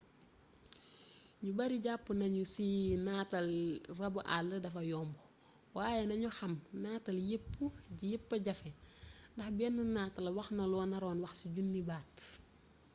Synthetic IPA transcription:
ɲubɐɾiɟapːunɐɲusinaːtɐlrɐbuʔa̰lːədɐfɐjɔːmbɔ | waːjɛnɐɲuxɐmnaːtɐljepːuɟjepːɐɟɐfɛndɐxbɛnːunaːtɐlwɐxnɐlɔːnɐɾɔːnwɐxsiɟunːibaːt

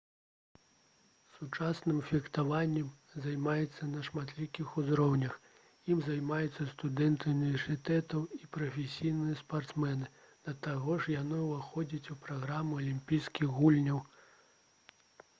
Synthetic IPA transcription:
sut͡ʂasnɨmfʲixt̪avanʲːɛm | zajmajɛt̪sːɐnɐʂmat̪lʲikʲixuzɾɔwnʲɐx | jimzajmajut̪sːɐst̪ud̪ɛnt̪ɨunʲivʲɛrsʲɨt̪ɛt̪ɐwipɾɐfʲesʲijnɨjɛspart̪smɛnɨ | d̪̥ɐt̪aɣɔʂjanɨvaxɔd͡zʲit͡sʲupɾaɣɾamuɐlʲimʲpʲijskʲiɣɣulʲnʲɐw

